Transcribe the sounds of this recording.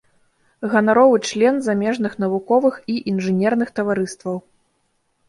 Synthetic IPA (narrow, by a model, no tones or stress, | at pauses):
ɣɐnaɾɔvɨt͡ʂlʲɛnzamʲɛʐn̪ɨxnɐvukɔvɨxiʔinʐɨnʲɛrn̪ɨxt̪ɐvaɾɨst̪vɐw